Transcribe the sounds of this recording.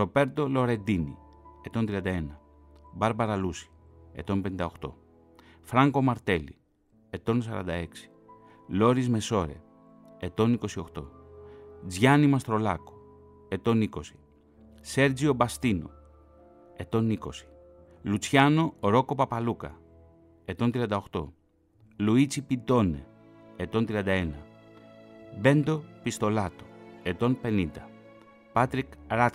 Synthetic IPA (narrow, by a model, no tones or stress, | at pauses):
ɾo̞be̞ɾt̪o̞lo̞ɾe̞nd̪inḭ | e̞t̪o̞nt̪ɾiɐnd̪ɐenɐ | bɐɾbɐɾɐlusi̥ | e̞̰t̪o̞mpenind̪ɐoxt̪o̞̰ | fɾɐŋko̞mɐɾt̪e̞lḭ | e̞t̪o̞nsɐ̰ɾɐ̰nd̪ɐ̰e̞ksi̥ | lo̞ɾizme̞so̞ɾe̞̰ | et̪o̞niko̞sio̞xt̪o̞̰ | d͡zʝɐnimɐst̪ɾo̞lɐko̥ | e̞t̪o̞niko̞si̥ | se̞ɾd͡zio̞bɐst̪ino̰ | e̞t̪o̞niko̞si̥ | lut͡sçɐno̞ɾo̞ko̞pɐpɐlukɐ̰ | e̞t̪o̞nt̪ɾiɐnd̪ɐoxt̪o̞̰ | luit͡sipit̪o̞ne̞̰ː | t̪o̞nt̪ɾiɐnd̪ɐe̞nɐ | be̞nd̪o̞pist̪o̞lɐt̪o̥e̞t̪o̞npe̞nind̪ɐ | pɐt̪ɾikɾɐt̪